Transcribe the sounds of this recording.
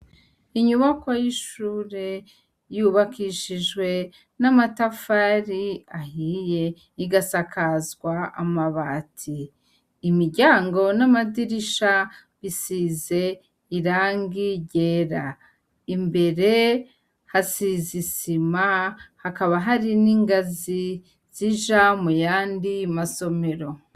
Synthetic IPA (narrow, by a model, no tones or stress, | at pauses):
iɲuβakojiʃuːɾe̞ | juːβakiʃiʒɡwe̞ | namatafaɾiahije̞ | iɡasakʰazɡwaa̰maβatʰiː | miɾɟaːŋɡo̞namadiɾiʃa | βisize̞ | iɾaːŋɡiɟe̞ːɾa | imbe̞ɾe̞ | hasizisimahakaβaɦaɾiniːŋɡazi | z̥iʒamujaːndimaso̞me̞ɾo̞